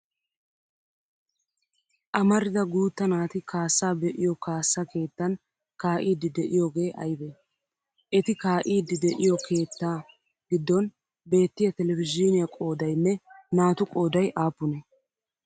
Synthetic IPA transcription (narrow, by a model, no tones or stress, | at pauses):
ʔɐmɐɾɪd̪ɐɡuːt̪ːɐnaːt̪ɪkʰaːsːaːbɛʔɪjɔkaːsːake̞ːt̪ːɐn | kaːʔiːd̪ːɪd̪ɛʔɪjoːɡe̞ːʔɐjbɛ | ʔɛt̪ɪkaːʔiːd̪ːɪd̪ɛʔɪjɔkʰe̞ːt̪ːaː | ɡ̥ɪd̪ːɔn | be̞ːt̪ːɪjɐt̪ɛlɛvɪd͡ʒɪnɪjɐkʼo̞ːd̪ɐjnːɛnaːt̪ʊkʼo̞ːd̪ɐjʔaːpːʊnɛ